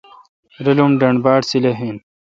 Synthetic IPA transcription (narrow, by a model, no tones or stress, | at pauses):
ɾɐlumɖɐɳbaːʈsileɦin